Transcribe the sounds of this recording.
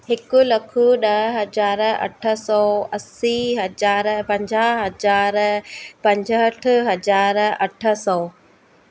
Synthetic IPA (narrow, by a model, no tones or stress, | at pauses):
ɦɪkʊlɐkʰʊɗɐɦɦɐzaːɾɐ̰ʈʰə̆sɔːɐsiɦɐd͡ʑaːɾpɐ̃ɲd͡ʑaːɦɦɐd͡ʑaːɾpɐ̃ɲd͡ʑʱəəʈʰʊ̆ɦɐzaːɾɐʈʰə̆sɔː